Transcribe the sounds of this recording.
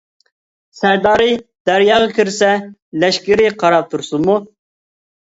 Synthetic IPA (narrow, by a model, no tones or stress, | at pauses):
sæɾd̪ɑːɾɪd̪̥æɾjɑːʁɑkʲʰiɾsɛlɛʃkʲɪɾɪqʰɑɾɑp̚t̪ʰuɾsunmu